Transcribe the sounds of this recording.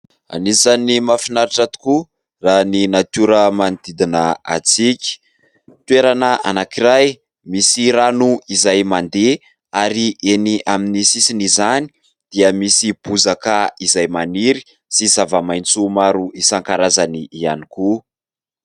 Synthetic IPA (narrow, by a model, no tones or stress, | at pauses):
a̰nizanimafinaɾiʈ͡ʂat̪u̥ku | raninat̪uɾəmand̪id̪inəa̰t͡sikʲi̥ | t̪ueɾanaʔa̰nakiɾaj | misiɾanuizajmand̪e | aɾiʔeniʔaminisisinizani̥ | d̪̥iəmisib̥uzakaizajmaniɾi̥ | sizavəmajnt͡sumaɾuisaŋkaɾazaniːaniku